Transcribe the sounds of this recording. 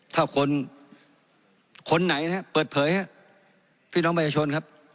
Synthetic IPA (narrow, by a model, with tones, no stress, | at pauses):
t̪ʰaː˥˩kʰo˧n | kʰo˧nːa˨˩˦jn˧ha˦˥pɤː˨˩t̪̚pʰɤː˩˦jha˦˥ | pʰiː˥˩˨nɔ˦˥ŋpʰa˧˩t͡ɕʰaː˧o˧nkʰa˦˥p̚